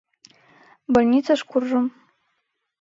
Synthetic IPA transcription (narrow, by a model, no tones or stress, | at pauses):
bolʲnʲit͡sʰaʂkʷurʐɨm